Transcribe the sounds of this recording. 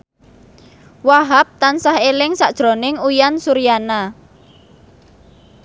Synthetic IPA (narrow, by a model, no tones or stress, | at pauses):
waɦap̚t̪ansahelɪŋsaʔd̥ʒ̥ɾo̤nɪŋujansuɾijana